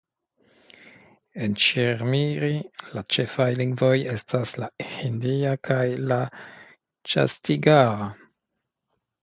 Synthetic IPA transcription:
e̞nt͡ʃiɾmiɾilat͡ʃe̞fajliŋɡvo̞je̞stʰaslaindiakʰajla | t͡ʃa̰stiɡaɾa

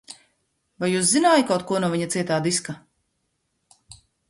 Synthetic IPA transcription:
vajuːs̬zinaːjikawt̪̚kuɔnuɔviɲat̪siɛt̪aːd̪iska

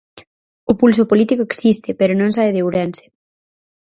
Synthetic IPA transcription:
opulsopolit̪ikoeksist̪epeɾonõŋsaβeðewɾense̥

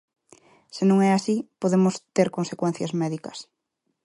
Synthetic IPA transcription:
senõŋɛasipoðemʊst̪eɾkonsekwɛ̃n̟θjɐzmɛðikɐs

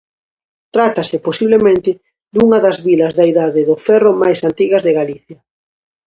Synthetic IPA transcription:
t̪ɾat̪ɐsɪposiβlemẽnt̪ɪ | d̪uŋɐðɐzβilɐzðaiðaðɪðʊfɛrʊmajsant̪iɣɐzðɪɣaliθjɐ

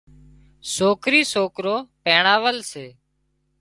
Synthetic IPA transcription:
soːkɾiːsoːkɾoːpeːɳaːʋəlseː

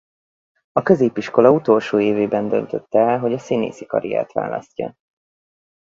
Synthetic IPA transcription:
ɒkø̞zeːpiʃko̞lɒut̪o̞lʃoːeːveːbɛnd̪ø̞nt̪øt̪ːɛlɦo̞ɟɒsinḛːsikɒ̰ɾija̰ːt̪ʋa̰ːlɒ̰scːɒ̰

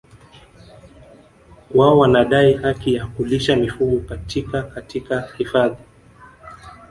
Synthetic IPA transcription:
waɔwanaɗaihakijakuliʃamifuɠɔkatʰikakatikahifaði

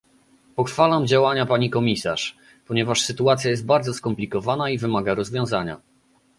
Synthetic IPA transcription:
pɔxfalamd͡ʑawaɲapaɲikɔmʲisaʂ | pɔɲɛvaʂsɘt̪uat̪sʲjajɛst̪̚baɾd̪zɔskɔmplʲikɔvanaivɘmaɡaɾɔzvʲjɔ̃w̃zaɲa̰

